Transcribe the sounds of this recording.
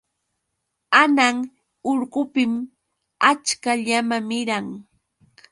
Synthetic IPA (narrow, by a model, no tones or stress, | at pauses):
anaŋ | oɾɢʊpɪm | at͡ʃkaʎamamɪɾaŋ